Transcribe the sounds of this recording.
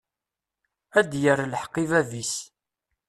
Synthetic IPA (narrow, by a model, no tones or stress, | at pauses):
æd̪jəɾlħqːivævis